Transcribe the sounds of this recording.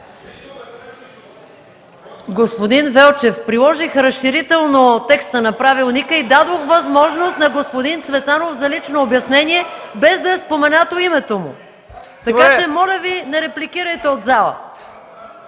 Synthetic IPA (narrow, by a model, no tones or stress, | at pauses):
ɡospod̪invɛlˠt͡ʃɛfpɾilˠɔʒixɾɐsʃiɾit̪ɛlˠnot̪ɛkst̪ənɐpɾavilˠnikəid̪ad̪oxvɐzmɔʒnost̪nɐɡospod̪int̪svɛt̪anofzɐlit͡ʃnoːbjɐsnɛniɛbɛzd̪ɐɛspomɛnat̪oimɛt̪omʊ̰ | t̪ɐkat͡ʃɛmɔlʲəvinɛɾɛplikiɾəjt̪ɛod̪zalˠə̰